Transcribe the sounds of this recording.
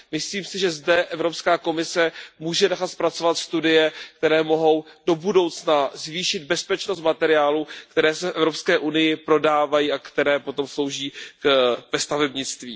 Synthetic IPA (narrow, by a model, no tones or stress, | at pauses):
mɪsliːmsɪʒɛzdɛʔɛvɾo̞pskaːko̞mɪsɛmuːʒɛnɛxat̪spɾat͡sovat̪st̪udɪjɛk̚t̪ɛɾɛːmo̞ɦo̞wd̥o̞budo̞wt͡snazviːʃɪd̪̚bɛspɛt͡ʃnost̪̚mat̪ɛɾɪjaːlukt̪ɛɾɛːsɛfʔɛvɾo̞pskɛːʔunɪjɪpɾo̞daːvajiːakt̪ɛɾɛːpo̞t̪o̞mslo̞wʒiː | vɛst̪avɛbɲɪt͡st̪viː